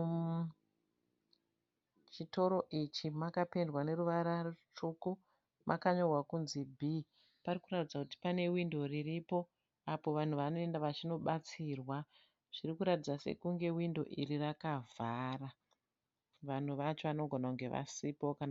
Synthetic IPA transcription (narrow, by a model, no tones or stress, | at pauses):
t͡ʃito̞ɾo̞ʔit͡ʃimakapendwane̞ɾuʋaɾart͡ʃuku | mʔa̰kaɲo̞rwakunzibʱi | parikuratid͡zakuti̥pane̞windo̞riripo̞ | apo̞ʋan̤uʋano̞e̞ndaʋat͡ʃino̞ɓat͡siːrwa | ʐ̥irikuɾatid͡zase̞̰kuŋɡe̞windo̞ʔirirakavʱaːra | ʋan̤uʋat͡ʃo̞ʋano̞ɡʱo̞nakuŋɡe̞ʋa̰sipokan